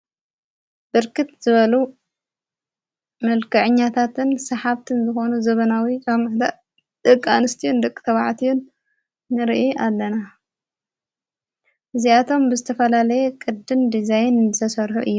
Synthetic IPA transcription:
b̥ɨɾkʰɨt̪zɨβɐlu | mɐlkɐʕɨɲːat̪ʰat̪ʰɨnsɐħaβt̪ʰɨnzɨxo̞nuzɐβɐnawikʰamɐhd̪a | d̪̥ɨkʼːa̰nɨst̪ʰijund̪ɨkʼːɨ̥t̪ʰɐβa̰ʕt̪ʰijunː | ɨɾiʔiʔalːɐna | ʔɨziat̪ʰo̞mbɨzɨt̪ʰɐfɐlalɐjekʼɨd̪ɨnd̪izajnɨt̪ʰɐsɐɾħuʔɨjːu

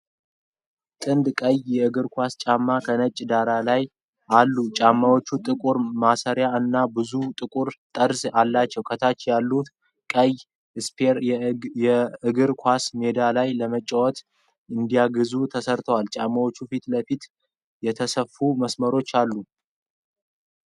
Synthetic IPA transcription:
t̪ʼɨnd̪kʼəjjɛɨɡɨɾkʰʷast͡ʃʼamːakʰənət͡ʃʼːd̪aɾalaj | alːut͡ʃʼamːawo̞t͡ʃːut̪ʼɨkʼuɾmasəɾjaɨnːabɨzut̪ʼɨkʼuɾt̪ʼəɾsalːat͡ʃːɛwkʰət̪ʰat͡ʃːjalːut̪ | kʼəj | ɨspʰeɾɛɨɡɨɾkʰʷasme̞d̪alajləmət͡ʃʼːəwɔt̪ | ɨnd̪ijaɡɨzut̪ʰəsəɾt̪ʰəwalt͡ʃʼamːawo̞t͡ʃːufit̪ləfit̪ | jɛt̪ʰəsəfːuməsməɾo̞t͡ʃːalːu

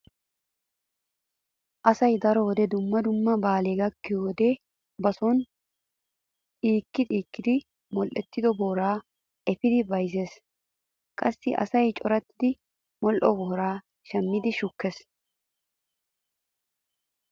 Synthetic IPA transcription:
ʔɐsɐjd̪ɐɾɔwd̪ɛd̪ʊmːɐd̪ʊmːɐbaːle̞ːɡɐkːɪjoːd̪ɛ | bɐsɔn | t̪ʼiːkːɪt̪ʼiːkːɪd̪ɪ | mɔlʔɛt̪ːɪd̪ɔboːɾaː | ʔɛpɪd̪ɪbɐjze̞ːs | kʼɐsːɪʔɐ̰sɐjt͡ʃʼɔɾɐt̪ːɪd̪ɪ | mɔlʔɔbɔːɾaː | ʃɐmːɪd̪ɪʃʊkːes

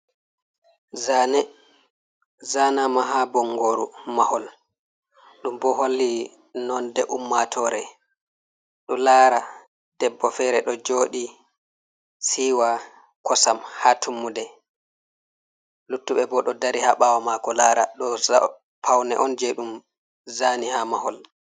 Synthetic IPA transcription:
zanɛ | zanamaɦabɔŋɡoɾumahɔl | ɗumbɔɦolːi | nɔndɛʔumːatʰɔɾɛ | ɗɔlaːɾa | d̥ɛbːɔfɛɾɛɗɔd͡ʒoːɗi | siːwa | kʰɔsamhatʰumːudɛ | lutːuɓɛbɔɗɔdaɾihaɓawamakɔlaːɾaɗɔa | pʰawnɛ̰ʔɔnd͡ʒɛɗum | zaːnihamahɔl

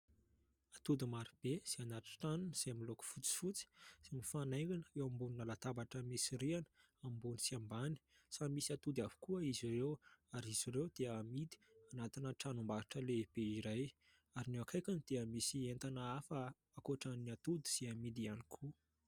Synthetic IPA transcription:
at̪ud̪imaɾib̥ez̥eanaʈ͡ʂi̥ʈ͡ʂanuniz̥eamiloku̥fut͡si̥fut͡si̥simifanajkanəewambuninalat̪abaʈ͡ʂəmisiɾianə̥ | ambunisiambani̥ | samisiat̪ud̪avi̥kuəiziɾewaɾiz̥iɾewd̪̥eamid̪i̥anat̪inəʈ͡ʂanumbaaʈ͡ʂəleb̥eiɾaj | aɾinewakʰajkanid̪̥eəmisient̪anəafə | akoʈ͡ʂaniat̪ud̪i̥z̥eamid̪ianikʰu

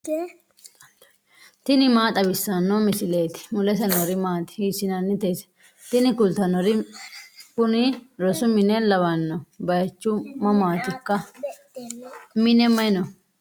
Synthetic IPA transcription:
t̪ɪnɪmaːt̪ʼɐbɪsːɐnːomɪsɪleːt̪ɪ̥mʊlɛsɐnɔɾɪmaːt̪ɪ̥hiːsɪnɐnːɪt̪esɛ̥ | t̪ɪnɪkʊlt̪ɐnɔɾɪ | kʊnɪɾɔsʊmɪnɛlɐβɐnːɔbɐjt͡ʃːʊmɐmaːt̪ɪkːɐ | mɪnɛmɐjnɔ

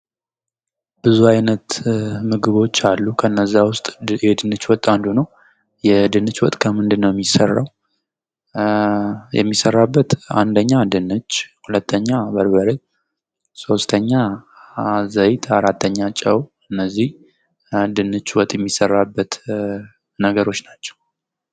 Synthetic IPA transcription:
bɨzuajnət̪mɨɡɨβo̞t͡ʃːalːukʰənːəzːawʊst̪ʼjɛd̪ɨnɨt͡ʃwɔt̪ʼːand̪unəw | jɛd̪ɨnɨt͡ʃwɔt̪ʼkʰəmɨnd̪ɨnːəwjɛmːisərːa̰w | jɛ̰mːisərːabːət̪a̰nd̪əɲːad̪ɨnɨt͡ʃːhulət̪ʰːəɲːabəɾbəɾə | so̞st̪ʰəɲːa | zəjt̪ʰaɾat̪ʰːəɲːat͡ʃʼəw | ɨnːəzːih | d̪ɨnɨt͡ʃːwɔt̪ʼjɛmːisərːabːət̪ | nəɡəɾo̞t͡ʃːnat͡ʃːɛ̥w

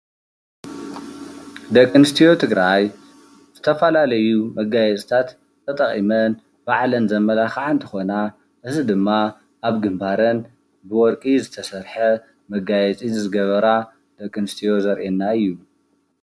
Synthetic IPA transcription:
d̪ɐkʼːɨnɨst̪ʰijo̞t̪ʰɨɡɾaj | z̥ɨt̪ʰɐfɐlalɐjumɐɡajɛt͡sʼt̪ʰat̪ | t̪ʰːɐt̪ʼɐχʼḭmɐn | baʕlɐnzɐmːɐlaxʕant̪ʰɨxo̞na | ʔɨzɨd̪ɨmːa | ʔaβɡɨmbʱaɾɐn | bɨwɔɾkʼizɨt̪ʰɐsɐɾħɐ | mɐɡajɛt͡sʼizɨɡɐβɐɾa | d̪̥ɐkʼːɨnɨst̪ʰijo̞zɐɾʔenːaɨjːu

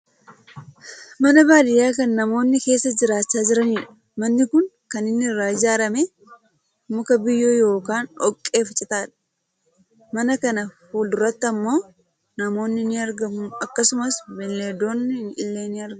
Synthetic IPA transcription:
mɐnɐbaːdɪjaːkɐnːɐmo̞ːnːɪke̞ːsːɐd͡ʒɪɾaːt͡ʃːaːd͡ʒɪɾɐniːᶑɐ̥ | mɐnːɪkʊŋkɐnɪnːɪɪrːaːɪd͡ʒaːɾɐmeː | mʊkɐbɪjːo̞ːjo̞ːkaːnɔkʼːe̞ːft͡ʃʼɪt̪aːᶑɐ̥ | mɐnɐkɐnɐfuːld̪ʊɾɐt̪ːɐmːo̞ː | nɐmo̞ːnːɪnɪɐɾɡɐmʊɐkːɐsʊmɐsbɛlːeːd̪o̞ːnːɪnɪlːeːnɪɐɾɡɐ

